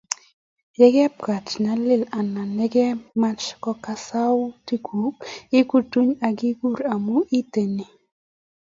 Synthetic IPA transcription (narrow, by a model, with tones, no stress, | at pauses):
jɛ˦ɡɛ˦p̚ka˨t͡ʃna˦lɪ˦˨la˨na˨nɛ˦ɡɛ˦ma˦t͡ʃkɔ˦ka˨sa˦wti˦ku˨kɪ˦ku˦tu˦ɲa˨ɡi˦ɡu˦˨ɾa˨mu˦ʔi˦te˨ni˨